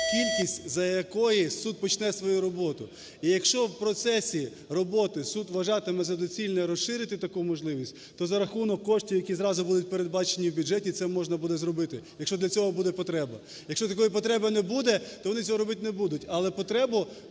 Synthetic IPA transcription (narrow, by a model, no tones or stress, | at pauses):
kʲilʲkʲisʲtʲzɐjɐkɔjisud̪̚pɔt͡ʃnɛsʋɔjuɾɔbɔt̪ʊ | ijɐkʃt͡ʃɔwpɾɔt̪sɛsʲi | rɔbɔt̪ɪsud̪ʋɐʒɑt̪ɪmɛzɐd̪ɔt͡sʲilʲnɛɾɔsʃɪɾʲɪt̪ɪt̪ɐkumɔʒlˠɪʋʲisʲtʲt̪ɔzɐɾɐxunɔkːɔʃtʲiwjɐkʲizɾɑzʊbud̪ʊt̚ʲpeɾed̪bɑt͡ʃenʲiwbʲʊʒɛtʲit̪sɛmɔʒnɐbud̪ɛzɾɔbɪt̪ɪjɐkʃt͡ʃɔdlʲɐt͡sʲɔɦɔbud̪ɛpɔt̪ɾɛbɐ | jɐkʃt͡ʃɔt̪ɐkɔjipɔt̪ɾɛbɐnɛbud̪ɛt̪ɔʋɔnɪt͡sʲɔɦɔɾɔbɪt̪ʲnɛbud̪ʊtʲɐlˠɛpɔt̪ɾɛbʊ